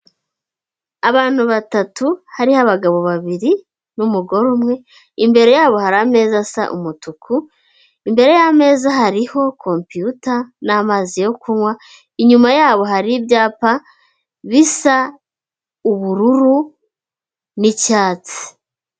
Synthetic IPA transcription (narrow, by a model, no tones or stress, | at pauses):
aβaːn̥huβatatuhaɾihaβaɡaβo̞βaβiɾi | numuɡo̞ɾomŋe̞ | imbe̞ɾe̞jaːβo̞haɾame̞ːzasa̰ʔṵmutukʰu | imbe̞ɾe̞jame̞ːzaɦaɾiho̞kʰo̞mpiutanamaːzijo̞kuŋwa | iɲumajaːβo̞ɦaɾibjaːpa | βisa | uβuɾuɾu | nicaːt͡si̥